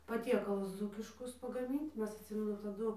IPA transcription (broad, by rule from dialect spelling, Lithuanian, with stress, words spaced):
pɐˈtʲiɛkɐlˠʊs ˈd͡zuːkʲɪʃkʊs pɐɡɐˈmʲɪnt ˈmʲɛs ɐtʲˈsʲɪmʲɛnʊ tɐˈdʊ